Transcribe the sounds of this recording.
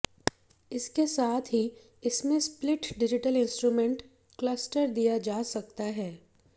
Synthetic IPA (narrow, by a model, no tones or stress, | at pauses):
ɪskesaːt̪ʰɦi | ɪsmẽsplɪʈɖɪd͡ʒɪʈəlɪ̃nsʈɾuːmẽɳʈ | klɐsʈəɾd̪ijad͡ʒaːsɐk̚t̪aɦɛː